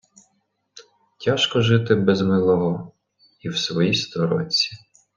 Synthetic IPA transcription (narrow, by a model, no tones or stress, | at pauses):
tʲaʃkɔʒɪt̪ɪbɛzmɪlˠɔɦɔ | iwsʋɔjist̪ɔɾɔ̰t͡sʲːi̥